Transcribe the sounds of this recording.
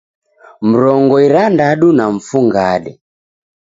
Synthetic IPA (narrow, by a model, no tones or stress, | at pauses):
m̩ɾɔŋɡɔiɾandaɗunaɱ̩fuŋɡaɗɛ